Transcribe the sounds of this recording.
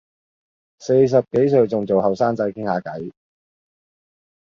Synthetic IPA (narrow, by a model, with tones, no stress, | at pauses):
se˧js̬ɐ˨p̚ke˨˥js̬ɵ˨˧ɥt͡sʊ˨ŋt͡so˨whɐ˨wsaː˥ŋt͡sɐ˧˥jkʰɪ˥ŋhaː˨˧kɐ˨˥j